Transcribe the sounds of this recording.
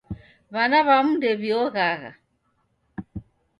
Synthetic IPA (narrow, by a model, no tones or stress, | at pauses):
βanaβamudɛβiɔɣaɣa̰